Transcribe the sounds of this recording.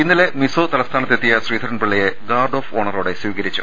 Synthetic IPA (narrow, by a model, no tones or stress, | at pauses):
inːile̞misoːt̪ɐlɐst̪ʰaːnɐt̪ːet̪ːijɐsriːd̪ʱɐɾɐnpiɭːɐjeɡaːrɖo̞ːfoːɳɐroːɽe̞swiːɣɐɾit͡ɕːu̥̰